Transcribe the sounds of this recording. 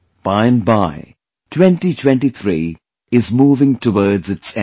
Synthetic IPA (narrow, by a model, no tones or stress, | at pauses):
b̥aɪɨ̃nbaɪ | tʰwɛ̃nʈitʰwɛ̃nʈit̪ʰɾiː | ɪzmuːvɪ̃ŋtʰəwɔɹdzɨtsɛ̃